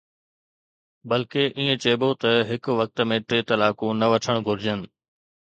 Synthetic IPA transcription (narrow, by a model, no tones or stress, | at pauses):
bɐlkeʔiːẽt͡ɕeːbot̪ɐɦɪkʋɐk̚t̪əmẽʈeːt̪ɐlaːkũnɐʋɐʈʰəɽ̃ɡʱʊɾɪd͡ʑənɪ̆